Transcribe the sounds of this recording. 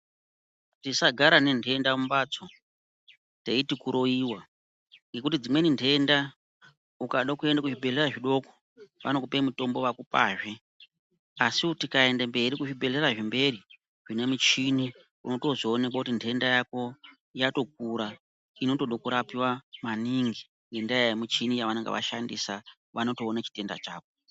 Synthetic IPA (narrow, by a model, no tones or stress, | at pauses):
tisaɡʱaɾane̞nde̞ndaumbat͡so | teitikuɾo̞iːwa | ŋɡe̞kutid͡zimwe̞nintʰe̞nda | ukaɗakue̞ndakuʐibʱe̞ɮeraʐiɗo̞ko̥ | ʋa̰nokupemuto̞mbo̞ʋakupaːʐe̞ | asiutikae̞ndambe̞ɾikuʐibe̞ɮe̞raʐimbe̞ri | ʐine̞mut͡ʃini | uno̞to̞zoːne̞kwakutintʰe̞ndajako̞ | jato̞k̚uɾa | ino̞to̞ɗokuɾapiwamaniŋɡi | ŋɡendajajamut͡ʃinijaʋaneŋɡḛʋa̰ʃandisa | ʋano̞toːnat͡ʃi̥te̞nda̰t͡ʃaːko̞